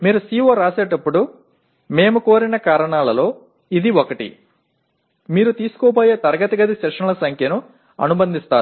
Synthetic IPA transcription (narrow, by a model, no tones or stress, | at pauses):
miːɾusiːʋoːɾaːseːʈɐpːuɽu | me̞ːmukoːɾinɐkaːɾɐɳaːlɐlo̞ː | id̪iokɐʈḭ | miːɾut̪iːsu̥kɔːpoːjeːt̪ɐɾɐɡɐt̪ɐɡɐd̪iʃɛːkʂɐɳɐlɐsɐŋkʰjɐnu | ɐ̰nubɐnd̪ist̪aːɾu